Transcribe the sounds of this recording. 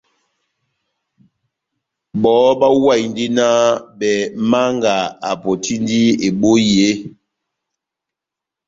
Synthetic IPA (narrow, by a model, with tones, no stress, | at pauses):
ɓɔ˨˦ba˦wa˦˨jndi˦na˦ɓɛ˨ma˦ŋɡa˨a˨pɔ˨ti˦n˦di˦e˨ɓo˦je˦